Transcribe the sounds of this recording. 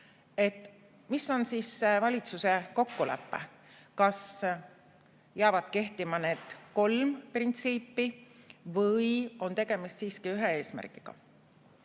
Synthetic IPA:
e̞t̪ːˑ | misːo̞nsiːsːevɑlʲit̪suse̞ko̞kːulæ̰pːḛ | kɑs | jeɑvɑd̪̥ke̞ht̪imɑne̞ːd̪̥ko̞lmprint̪siːpːivɤjo̞nt̪e̞ɡ̥e̞mist̪siːskiyɦee̞ːsmæ̰rkiɡ̥ɑ̰

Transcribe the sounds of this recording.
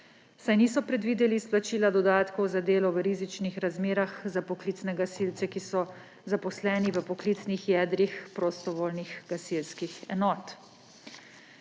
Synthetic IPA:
sajniːsɔpɾɛd̪ʋiːd̪ɛlisplat͡ʃiːlad̪ɔd̪aːt̪kɔwzad̪eːlɔʋəɾiːzit͡ʃnixɾazmeːɾaxzapɔklit̪nɛɡasiːlt̪sɛkisɔ | zapɔslɛːniʋəpɔkliːt̪snixjɛːd̪ɾixpɾost̪ɔʋoːlniɣɡasilskixɛ̰nɔːt̪

